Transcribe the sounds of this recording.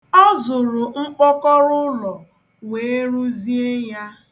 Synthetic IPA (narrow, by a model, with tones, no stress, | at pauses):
ɔ˦zʊ˨ɾʊ˨ŋ͡m̩˦k͡pɔ˦kɔ˦ɾʊ˦lɔ˨ | ŋe˨e˦ɾu˦zi˦e˦ja˦